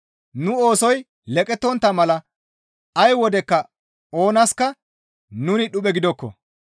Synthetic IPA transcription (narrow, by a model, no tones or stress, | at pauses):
nʊo̞ːsɔj | lɛkʼɛt̪ːɔnt̪ːɐmɐlɐ | ɐjwɔd̪ɛkːɐ | o̞ːnɐskːɐ | nʊnɪɗʊɓɛɡɪd̪ɔkːɔ̰